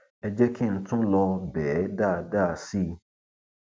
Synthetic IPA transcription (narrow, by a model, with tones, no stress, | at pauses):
ɛ˨d͡ʒɛ˦kʰi˦˨n̩˦tʊ̃˦lɔ˧bɛː˨˦da˦˨da˦˨si˦